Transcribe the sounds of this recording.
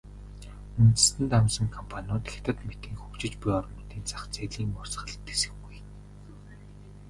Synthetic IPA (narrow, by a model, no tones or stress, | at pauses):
unt̪ɘ̆st̪ɘ̆nt̪amsə̆ŋkʰɔmpʰanʲʊːt̪e̥xʲt̪ə̆t̪met̪iːŋxukt͡ɕɪ̆t͡ɕpʊjɔr̆nʊːt̪iːnt͡saχt͡seːɮiːŋmʊrsχə̆ɮt̪e̥sɘ̆xɡuj